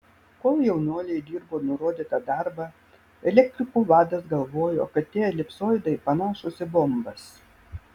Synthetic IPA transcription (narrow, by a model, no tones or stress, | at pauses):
koːlˠjɛʊnʲuɔlʲɛɪd̪ʲiːɾboːnʊɾoːd̪ʲiːt̪ɐd̪ɑɾbɐ | ɛlʲɛkt̪ʲɾʲɪkuːʋɑːd̪ɐsɡɐlˠʋoːjo̰ːkɐt̪t̪ːʲeːlʲɪpsoːjd̪ɐɪpɐnoːʃʊsʲɪbɔmbɐs